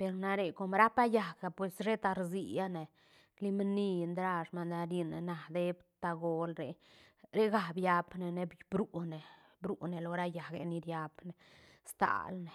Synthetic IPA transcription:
pe˧ɾna˧ɾe˨ko˧mɾa˦pa˦ja˨ɡa˨pwe˨sɾe˦t̪a˧ɾzi˧ja˦ne˨ | li˦m˦ni˦˧nd̪ɾa˧ʂma˧nd̪a˧ɾi˧ne˨na˨d̪e˦bt̪a˧ɡo˧lɾe˨ɾe˦ɡa˨bja˧bne˨ne˧bbɾu˨˦ne˨ | bɾu˨˧ne˨lo˧ɾa˦ja˨ɡḛ˧ni˧ɾja˧bne˨ | st̪a̰˨lne˨

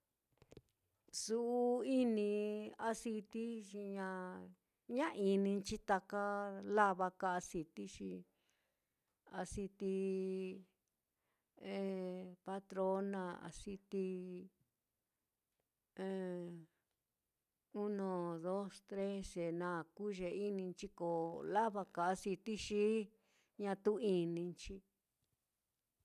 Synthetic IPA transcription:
su˧ʔu˧i˦nĩ˧a˧si˧t̪i˦ʃi˧ɲã˧ | ɲã˦ʔi˧nĩ˧t͡ʃi˦t̪a˧ka˦la˦βa˧ka˧a˧si˧t̪i˦ʃi˧ | a̰˧si˧t̪i˧ | e˧pa˧t̪ɾo˦nã˧a̰˧˨si˧t̪i˧ | ẽ˨˧ | u˦nõ˧ðo˦st̪ɾe˦se˨nã˧˨ku˦ʒe˧˨i˦nĩ˧t͡ʃi˧ko˨la˦βa˧ka˨a˧si˧t̪i˦ʃi˦ | ɲã˧t̪u˦i˧nĩ˧nt͡ʃi˧

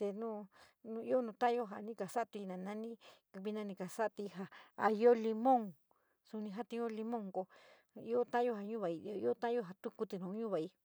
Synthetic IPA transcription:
t̪e˧nũ˦ | nũ˧i˦o˦nũ˧t̪ã˦˧jo˧ɦa˨nĩ˧ka˨sa˦ʔt̪i˧nã˨nã˦nĩ˦kβi˧nã˧nĩ˧ka˨sa˦˧t̪i˧ɦa˧a˧jo˦li˧mõ˦˨ŋ | su˧nĩ˧ɦa˦t̪ĩ˧˦õ˦li˧mõ˦˨ŋko˧ | i˦o˦t̪ã˦jo˦ɦa˧ɲũ˦βa˨i˧o˧i˦o˦t̪ã˦jo˦ɦa˧t̪u˦ku˧t̪i˧˨nũ˨˧˦ɲũ˦βa˨i˧˦

